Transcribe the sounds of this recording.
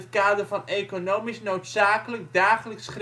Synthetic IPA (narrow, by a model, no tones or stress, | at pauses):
ətkaːdərvɑnejkonowmisnowtsaːkələk̚daːχələksχr